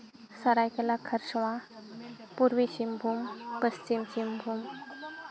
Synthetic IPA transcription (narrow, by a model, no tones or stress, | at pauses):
sɐɾajkelakʰːəɾsuwã | puɾwiʃimbʱuːmpəst͡ʃimsimbʱuːm